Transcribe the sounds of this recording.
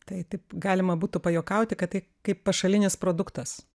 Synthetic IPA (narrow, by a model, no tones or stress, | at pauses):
t̪ɐɪt̪ɐɪpɡɑːlʲɪmɐbuːt̪ʊpɐjoːkɐʊt̪ʲɪkɐt̪t̪ːɐɪ | kɐɪppɐʃɐlʲɪnʲɪspɾoːd̪ʊkt̪ɐs